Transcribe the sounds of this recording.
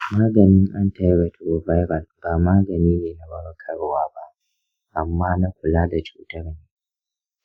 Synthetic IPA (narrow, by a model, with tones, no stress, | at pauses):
maː˦ɡɐ˨nɪ˦ŋʔa˦nta˦jwɛ˨˦tʰɾo˨va˦jbɐ˨lb̥aː˨maː˦ɡɐ˨niː˦neː˨na˦wɐ˦ɽkʰɐ˦˨ɽwaː˦ba˦ʔ | ʔa˨mːaː˦na˦kʷʊ˨laː˦da˨t͡ʃṵː˦tɐ˦ɽneː˨